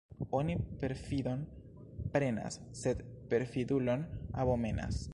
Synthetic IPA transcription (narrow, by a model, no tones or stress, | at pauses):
onipe̞ɾfid̪o̞n | pɾe̞na̰sːed̪pe̞ɾfid̪ulo̞naβome̞na̰s